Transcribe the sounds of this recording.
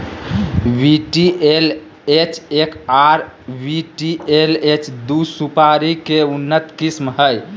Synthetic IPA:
wiʈiel | et͡ʃʰekaɾ | biʈielet͡ʃʰd̪usupaɾikeunːət̪kismɦəj

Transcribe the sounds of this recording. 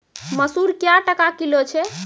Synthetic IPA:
məsuɾkjaʈəkakilot͡ʃʰɛ

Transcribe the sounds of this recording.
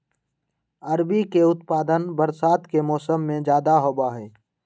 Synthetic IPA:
əɾbikeʊt̪paːd̪ənbəɾsaːt̪kemɔːsəmːẽd͡ʒjaːd̪aɦoːbaɦɛː

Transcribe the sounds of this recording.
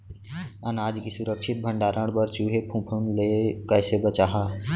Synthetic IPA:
ənaːd͡ʒkisʊɾəkʃɪt̪̚bʱə̃ɳɖaːɾʔəɽ̃bəɾt͡ʃuːɦepʰũpʰənlekəːsebət͡ʃaːɦa

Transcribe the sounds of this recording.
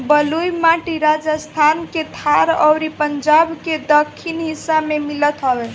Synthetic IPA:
bəlujmaʈiɾad͡ʒəst̪ʰanket̪ʰaɾɔ̰wɾipəɲd͡ʒabked̪əkʰːinɦisːamemilət̪ɦɔbɛ

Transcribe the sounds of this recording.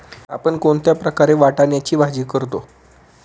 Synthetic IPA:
a̰pəɳkoɳt̪japɾəkaɾeʋaʈaɳjat͡ɕiːbʱad͡ʑiːkəɾt̪o

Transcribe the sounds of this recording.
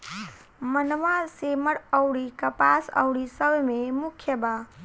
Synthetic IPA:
mənʋaseməɽəwɽikəpasə̰wɽisəbmẽmʊkʰjəba

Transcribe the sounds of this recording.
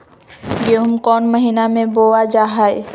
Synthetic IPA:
ɡeɦumkɔnməɦinamẽbowad͡ʒaɦaj

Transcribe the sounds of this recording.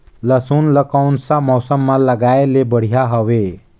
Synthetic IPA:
ləsunləkawnsamɔːsəmːãləɡaelebəɽ̤ijaɦəʋe

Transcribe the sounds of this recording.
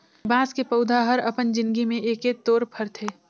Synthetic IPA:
bãːskepəʊd̪ʱaɦəɾəpənd͡ʒɪ̃nɡimẽʔeːkeːt̪ːoːɾpʰəɾt̪ʰeː

